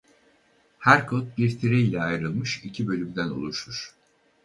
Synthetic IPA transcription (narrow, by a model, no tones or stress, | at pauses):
hæɾkʰot̪̚biɾt̪ʰiɾeilʲɛajɯɾɯlˠmɯʃicʰibø̞lʲymd̪æno̰lˠuʃuɾ̥